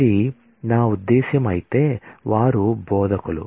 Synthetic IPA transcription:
i | naːud̪ːɛːʃjɐmaːjit̪eʋaːɾubɔːd̪ɐkɐlṵ

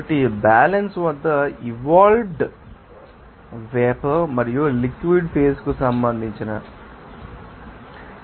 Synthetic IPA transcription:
ɐʈːibaːlɐnsʋɐd̪ːɐiʋaːlɖ | ʋɛːpɐmɐɾijulikʋiɖpʰeːskusɐmbɐnd̪ʱiɲt͡ʃinɐ

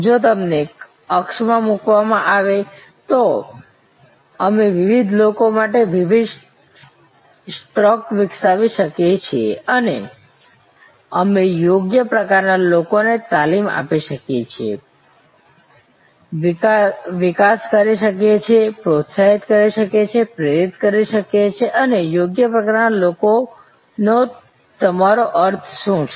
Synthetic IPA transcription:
d͡ʒot̪̬əmne | əkʃmãmukʋamãʔaʋe | t̪o | əmeʋɪʋid̪ʱlokomaʈeʋɪʋid̪ | sʈɾɔkʋɪksaʋiʃəkjet͡ʃʰieənḛ | əmejoɡjəpɾəkaɾnalokonet̪alima̰piʃəkjet͡ʃʰiḛ | ʋɪkaskəɾiʃəkjet͡ʃʰepɾot̪saɦit̪kəɾiʃəket͡ʃʰepɾeɾit̪kəɾiʃəket͡ʃʰeʔənejoɡjəpɾəkaɾnaloko | no | t̪əmaɾoʔəɾt̪ʰʃũt͡ʃʰ

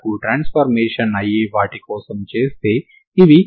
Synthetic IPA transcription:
kuʈɾaːnspʰɐɾmeːʂɐnɐjiʋaːʈikɔːsɐmt͡ʃeːst̪e̞ː | iʋi

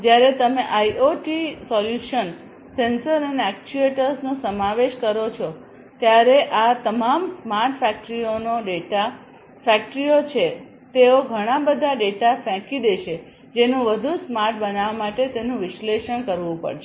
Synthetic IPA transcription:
d͡ʒjaɾet̪əmeʔaiʔoʈisɔljuʃən | sensəɾəneɛk̚t͡ʃueʈəɾsnosəmaʋeʃkəɾot͡ʃʰo | t̪jaɾeʔat̪əmamsmaɾʈfɛk̚ʈɾionoɖeʈa | fɛk̚ʈɾijot͡ʃʰe | t̪eoɡʱəɽ̃abəd̪ʱaɖeʈafɛ̃kid̪eʃʰe | d͡ʒenũʋəd̪ʱusmaɾʈ̚bənaʋamaʈet̪enũʋɪʃleʃəɳ̃kəɾʋũpə̰ɽʃe

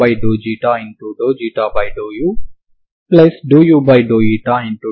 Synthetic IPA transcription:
ajɖoːd͡ʒiːʈaːĩɳʈuɖoːd͡ʒiːʈaːbajɖoːju | plɐsɖoːjubajɖoːjiːʈaĩɳʈu

